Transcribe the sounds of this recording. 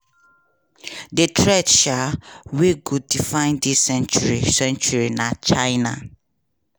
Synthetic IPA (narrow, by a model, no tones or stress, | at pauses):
detʰɹɛdʃaweɡudifãɪ̃ndisːɛ̃nt͡ʃuɹisɛ̃nt͡ʃuɹinat͡ʃaɪna